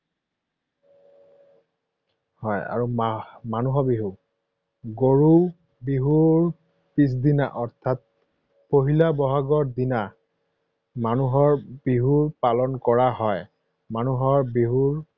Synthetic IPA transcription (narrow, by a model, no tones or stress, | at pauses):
hɔja̰ɹumanuɦɔbiɦu | ɡoɹu | biɦuɹ | pis̬dina̰ʔɔɹt̪ʰat̚ | poɦilabɔɦaɡɔɹd̪ina | manuɦɔɹbiɦuɹpalɔnkɔɹaɦɔj | manuɦɔɹbiɦuɹ